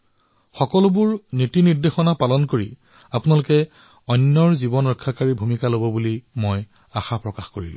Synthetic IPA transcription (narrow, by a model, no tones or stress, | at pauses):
xɔkɔlʊbʊɹnitiniɹdexɔnapalɔnkoɹi | apʊnalʊkɛ | ɔnːɔɹzibɔnɹɔkʰːakaɹibʱumikalobɔbulimoj | axapɹɔkaxkoɹḭlʊ̰̃